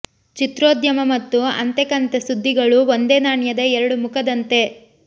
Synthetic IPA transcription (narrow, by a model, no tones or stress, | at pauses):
t͡ʃit̪ɾoːd̪jɐmɐmɐt̪ːuɐ̰nt̪ekɐnt̪esud̪ʱːiɡɐɭuʋond̪eːnaːɳjɐd̪ɐɛɾɐɽumukʰɐd̪ɐnt̪e̞